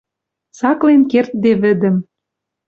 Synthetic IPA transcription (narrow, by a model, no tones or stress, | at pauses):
sɑklenkert̪̚d̪eβɘ̆d̪ə̆m